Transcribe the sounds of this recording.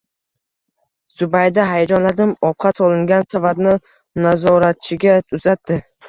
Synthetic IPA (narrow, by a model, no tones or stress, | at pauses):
z̥ʊbajd̪aɦajad͡ʒɒnlad̪ɪmɒp̚qʰɑt̪ʰɒlˠɪŋɡʲansavad̪nɪ | nazɒɾat̪̚t͡ʃʰɪɡʲaʊzat̪ːɪ